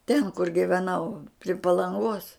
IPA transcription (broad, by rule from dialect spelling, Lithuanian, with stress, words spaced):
tʲɛn kʊr ɡʲɪʋʲɛˈnɐʊ pʲrʲɪ pɐlˠɐŋˈɡoːs